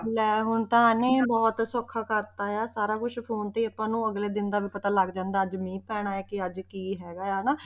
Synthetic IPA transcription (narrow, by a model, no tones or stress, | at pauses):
lɛːɦʊnt̪ɦãːnẽːbɔːt̪sɔkʰːaːkəɾt̪aːjaːsaːɾaːkʊʃʰpʰoːnt̪eiːəpːãːnũːəɡleːd̪ɪnd̪aːʋiːpət̪aːləɡd͡ʒãːnd̪aːd͡ʒmĩːpɛːɽ̃aːaːkɪəd͡ʒkiːɦɛːɡaːjaːnaː